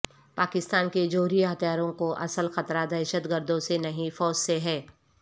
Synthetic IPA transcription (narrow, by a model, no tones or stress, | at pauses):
paːkɪst̪aːnked͡ʒoːɾiɦɐt̪jaːɾõkoʔɐ̰səlxɐt̪ɾad̪ɐʃət̪ɡəɾd̪õsenɐɦĩfɔːd͡ʒseɦɛː